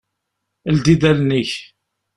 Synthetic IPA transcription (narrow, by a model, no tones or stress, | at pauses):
ld̪id̪ælniç